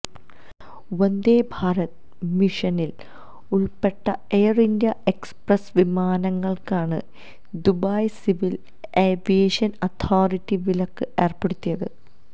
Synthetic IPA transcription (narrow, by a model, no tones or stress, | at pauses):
wɐnd̪eːbʱaːɾɐt̪̚ | miʂɐnil | uɭpeʈːɐejɐrindjɐe̞ksprɐsʋimaːnɐŋːɐɭkaːɳɨ | d̪ubaːjsiʋil | eʋieʂɐnɐt̪ʰaːritːiʋilɐkːɨʔe̞ːrpeɽut̪ːijɐðɨ